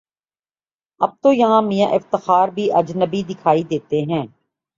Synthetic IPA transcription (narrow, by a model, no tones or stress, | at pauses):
ɐb̚t̪ojɐɦãmijãʔɪft̪əxaːɾbʱiʔɐd͡ʒnəbid̪ɪkʰaːid̪eːt̪eɦɛ̃ː